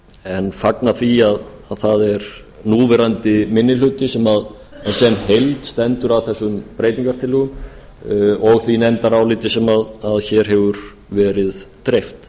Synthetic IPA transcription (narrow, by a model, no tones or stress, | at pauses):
ɛnfaknaθiaðaðθaðɛɾ | nuːvɛɾant̪ɪmɪnːɪlʏt̪ɪsɛmað | ɛsɛnhejlt̪st̪ɛnt̪ʏɾawθɛsːʏmpɾejt̪iŋkaɾ̥t̪ʰɪlʏɣ | ɔɣθvinɛmt̪aɾawlɪːt̪ɪsɛmaðaðçɛɾ̥ɦɛvʏɾ | vɛːɾɪðt̪ɾejft̪